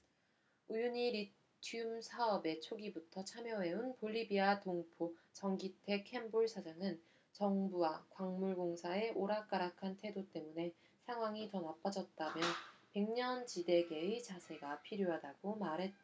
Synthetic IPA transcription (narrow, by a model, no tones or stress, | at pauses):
ujuɲiɾi | tʰiumsʰaʌbe̞t͡ɕʰoɡibutʰʌt͡ɕʰamjʌwe̞unpoʎːibiatoŋpʰot͡ɕʌŋɡitʰe̞kʰe̞mboɭsʰad͡ʑaŋɯn | t͡ɕʌŋbuwakwaŋmuɭɡoŋsʰae̞ʔoɾak͈aɾakʰantʰwe̞dot͈e̞mune̞ | sʰaŋɦwaŋitʌnap͈ad͡ʑʌt̚t͈amjʌpe̞ŋɲʌnt͡ɕide̞ɡe̞it͡ɕasʰe̞ɡapʰiɾjoɦadaɡ̥omaɾɦe̞t̚t͈a